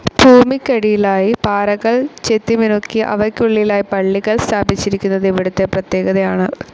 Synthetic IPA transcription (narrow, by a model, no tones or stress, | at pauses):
bʱuːmikʲːɐɽijilaːjipaːɾɐɣɐɭt͡ɕet̪ːiminokːiʔɐ̰ʋɐrkːuɭːilaːjipɐɭːiɣɐɭst̪ʰaːbit͡ɕːiɾikʲːunːɐðiʋiɽut̪ːe̞prɐt̪je̞ːɣɐðɐjaːɳɨ